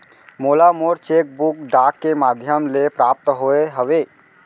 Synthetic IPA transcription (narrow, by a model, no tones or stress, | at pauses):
moːlamoːɾt͡ʃeːk̚bʊkɖaːkːemaːd̪ʱjəmlepɾaːp̚t̪ɦoːeɦəʋeː